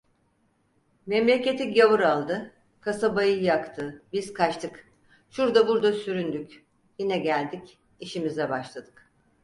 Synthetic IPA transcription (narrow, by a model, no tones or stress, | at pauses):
mɛmlʲe̞cʲe̞t̪ʰiɟavɯɾalˠd̪ɯ | kʰasabajɯjakt̪ʰɯbiz̥kʰat͡ʃt̪ʰɯk | ʃuɾd̪abuɾd̪asyɾynd̪ycʲ | jinɛɟælʲd̪ic | iʃimizɛbaʃlˠad̪̥ɯk